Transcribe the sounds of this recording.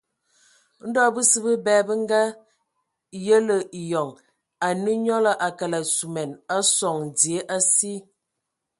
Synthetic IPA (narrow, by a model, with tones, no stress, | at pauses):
n̩˦dɔ˦˨bə˦sə˦bə˦bɛː˦bə˦ŋ˦ɡa˦ | jə˦lə˨i˨jɔ˨ŋ | a˨nə˦ɲɔ˦lə˨ʔa˨ka˨la˨su˨mɛ˨na˦sɔ˨ŋ˨di˨e˦ʔa˦si˦